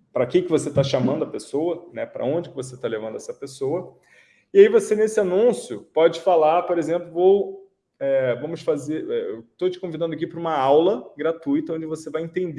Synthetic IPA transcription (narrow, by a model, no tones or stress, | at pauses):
pɾɐkekɪvoset̪aʃamɐ̃nd̪ʊɐpesowɐnɛpɾɐ̰õd͡ʒɪkɪvos̬et̪alevɐ̃nd̪ʊɛsɐpesoɐ | ɪaivosenesɪanũsjʊpɔd͡ʒɪfalaɾpoɾezẽmplʊvow | ɛvɐ̃mʊsfazeɾɛewt̪ot͡ʃɪ̥kõvid̪ɐ̃nd̪ʊakipɾũmɐawlɐɡɾat̪ujt̪ɐõd͡ʒɪvosevajẽnt̪ẽnd̪